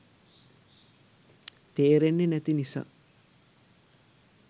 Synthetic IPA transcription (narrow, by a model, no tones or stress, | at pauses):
t̪eːɾenːenæt̪inisa̰ː